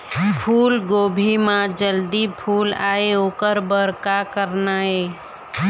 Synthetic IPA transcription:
pʰuːlɡoːbʱimãd͡ʒəld̪ipʰuːla̰ːeoːkəɾbəɾkakəɾnaɦeː

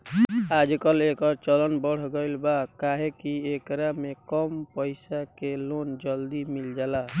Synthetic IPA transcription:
ad͡ʒkəlekəɾt͡ʃələnbəɽ̤ɡəɪlbakaɦekiekɾamekɔmpəɪsakelond͡ʒəld̪imild͡ʒala

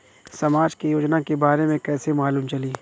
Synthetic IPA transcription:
sɐmaːd͡ʒkijoːd͡ʒnakebaːɾemẽkɛːsemaːluːmt͡ʃɐliː

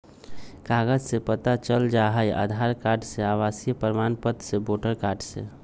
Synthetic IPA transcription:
kaːɡəd͡ʒsepət̪at͡ʃəld͡ʒaɦəjʔa̰d̪ʱaɾkaːɾɖseaːʋaːsijəpəɾəmanpət̪seboːʈəɾkaːɾɖsḛ

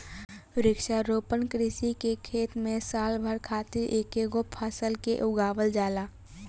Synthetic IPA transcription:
ɾɪkʃaɾoːpənkɾɪsikekʰeːt̪mẽsaːlbʱəɾkʰaːt̪ɪɾʔeːkeɡopʰasəlkḛʔʊɡaːʋəld͡ʒaːlaː

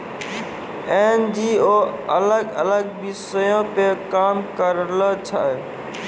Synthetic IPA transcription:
end͡ʒioələɡələɡ̚bisəjõpekamkəɾlət͡ʃʰə

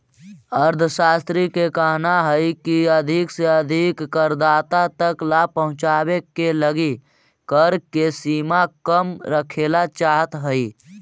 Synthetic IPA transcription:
əɾd̪ʱʰʃaːst̪ɾikekəɦnaɦəikiəd̪ʱɪkseəd̪ʱɪkːəɾd̪aːt̪at̪əklapəɦʊ̃t͡ʃaːwekeləɡi | kəɾkesiːmakəmɾəkʰeːlat͡ʃaːɦət̪ɦəi

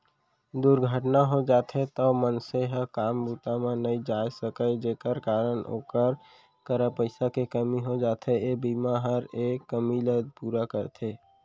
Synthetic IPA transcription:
d̪uɾɡʱəʈnaɦod͡ʒat̪ʰet̪əmənseɦəkambut̪amẽnəid͡ʒajsəkəjd͡ʒekəɾkaɾəno̰ːkəɾ | kəɾəpəɪsakekəmiɦod͡ʒaːt̪ʰeebimaɦəɾekːəmiled̪̚puɾakəɾt̪ʰe

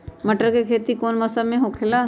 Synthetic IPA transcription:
məʈəɾkekʰeːt̪ikoːnməsəmẽɦoːkʰela

